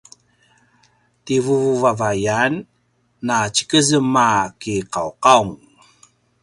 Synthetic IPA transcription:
tivuvavajanː | at͡ɕə̥kəzəmakiqawqauŋ

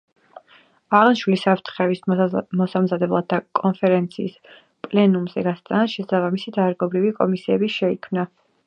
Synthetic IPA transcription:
aʁnʃwilisapʰɾt̪ʰχɛvismɔsamzad̪ɛblˠa̰d̪̚akʼɔnfʰɛɾɛnt̪sʰḭːs | pʼlɛnumzɛɡast̪ʼanaʃɛsabamisid̪aɾɡɔbɾivikʼɔmisiɛbiʃɛikʰmna

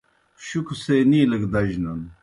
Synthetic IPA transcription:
ɕukʰuseːniːləkd̪ɐʑnɐn

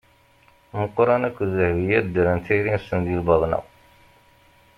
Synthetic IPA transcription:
məqːɾˤɑnækʷːzəhvijæɾd̪əɾənt̪iɾinsənðilbɑðˤnɑ̰

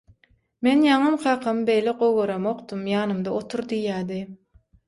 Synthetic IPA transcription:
menjɑɴɯmqɑːqʰɑmɯbe̞jleqowʁoɾɑmoqt̪umjɑːnɯmd̪ɑot̪ʰuɾd̪ijːæːd̪i

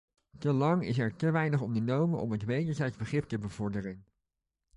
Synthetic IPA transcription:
təlɑŋɪs̬ɛɹtəʋɛjnəχɔndənowmənɔ̰mɦətʋejdəɹzɛjtzbəχrɪp̚təbəvɔɹdərən

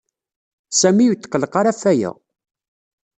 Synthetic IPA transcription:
sæmijuwt̪ːə̥qːələqaɾæfːæjə̰ʁ

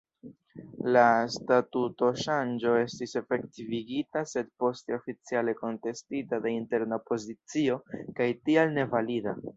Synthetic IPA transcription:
lastatuto̞ʃand͡ʒo̞e̞stise̞fe̞ktiviɡitase̞d̚po̞ste̞o̞fit͡siale̞ko̞nte̞stitadeinte̞ɾnaopo̞zit͡sio̞kajtialne̞valida

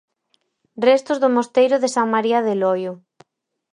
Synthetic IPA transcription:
rɛst̪ʊzðʊmost̪ejɾʊðesaŋmaɾiaðelɔjʊ

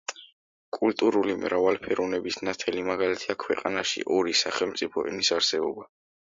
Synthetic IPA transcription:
kʼult̪ʼuɾulimɾavalpʰɛɾunɛbisnat̪ʰɛlimaɡalit̪ʰiakʰwɛqʼanaʃḭʔɔɾisaχɛlmt̪sʼipʰɔʔɛ̰nisaɾsɛbɔba

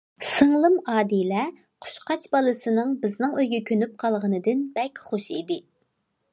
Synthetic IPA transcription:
sɨŋlˠɨmɑːd̪ilɛ | qʰʊ̥ʃqʰɑt͡ʃbɑlˠɨsɨnɨŋbɪznɨŋøjɡʲɛkʲʰønyp̚qʰɑlˠʁənɨd̪ɪnbɛkʲχoʃid̪ɪ

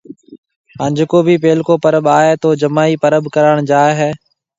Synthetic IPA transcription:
ɦə̃ːɲd͡ʒkoːbʱiːpeːlkoːpəɾəɓaːeːt̪oːd͡ʒəmaːiːpəɾəbkəɾaːɳd͡ʒaːɦɛː

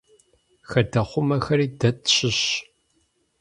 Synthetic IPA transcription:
xɐdɐχʷʊmɐxɐɾiːdɐtɕɪɕ

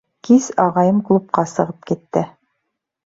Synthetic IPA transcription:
kizɑʁɑjɤmklˠup̚qɑsɤ̆ʁɤp̚kit̪ːɘ

